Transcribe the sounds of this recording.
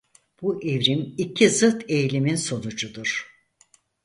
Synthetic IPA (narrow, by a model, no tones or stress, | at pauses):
b̥uʔevɾimicʰizɯt̪ʰe̞jlʲiminso̞nud͡ʒud̪uɾ̥